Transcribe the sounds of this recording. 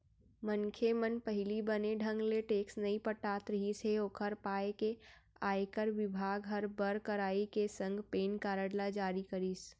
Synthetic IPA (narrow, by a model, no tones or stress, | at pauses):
mənkʰemənpəɦlibəneɖʱə̃ŋɡleʈeːksnɐĩpəʈaːt̪ɾəɦiseokʰəɾpaːekeaːekəɾʋɪbʱaːɡɦɐɾbəɾkəɾaːikesə̃ŋɡpeːnkaːɾəɽlad͡ʒaːɾikəɾiːs